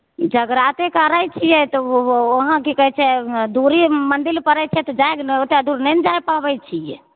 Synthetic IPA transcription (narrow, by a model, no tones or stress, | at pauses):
d͡ʒəɡɾat̪ekəɾajt͡ʃʰijɛt̪ɔoɦãkikəɦɛt͡ʃʰɛd̪uɾimənd̪ilpəɾɛt͡ʃʰɛt̪ɔd͡ʒaeknɛot̪ead̪uɾnɛnd͡ʒajpabɛjt͡ʃʰijɛ̰